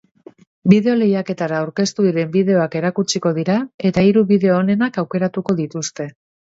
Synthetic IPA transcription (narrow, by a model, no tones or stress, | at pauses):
bið̞e̞o̞le̞jake̞t̪aɾaːwɾke̞st̪uðiɾe̞mbiðe̞o̞ake̞ɾakut͡ʃiko̞ð̞iɾae̞t̪aiɾuβiðe̞oːne̞nakawke̞ɾat̪uko̞ðit̪ust̪e̞